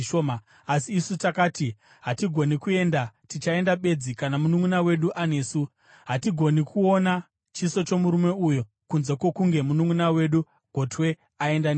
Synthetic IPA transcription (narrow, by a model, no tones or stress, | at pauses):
oma | asiːsutakaːti | ɦatiɡʱo̞nikue̞ndatit͡ʃae̞ndaɓe̞d͡zikanamunumunawe̞ɗuʔane̞ːsu | ɦatiɡʱo̞nikʰuo̞na | t͡ʃiso̞t͡ʃo̞muɾume̞ujo | kunzekwo̞kuŋɡe̞munumunawe̞ɗu | ɡ̥ʱo̞twe̞ | ae̞ndan